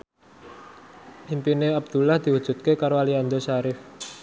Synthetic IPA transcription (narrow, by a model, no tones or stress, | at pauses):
impineab̚d̪̥ṳlahd̪̥i̤wud̥ʒ̥ṳt̪̚kekaɾoaliand̪osaɾɪf